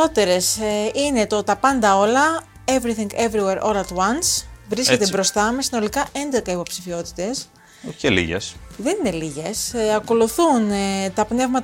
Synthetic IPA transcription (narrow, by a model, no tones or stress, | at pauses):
o̞t̪e̞ɾe̞sine̞t̪ot̪ɐpɐnd̪ɐo̞lɐ | evɾiθĩŋɡevɾiweɾʔo̞lɐt̪wɐnsvɾisce̞t̪ebɾo̞st̪ɐmesino̞likɐʔe̞nd̪ekɐipo̞psifio̞t̪i̥t̪e̞s | celḭʝḛsðe̞nine̞liʝesɐko̞luθunt̪ɐpne̞vmɐt̪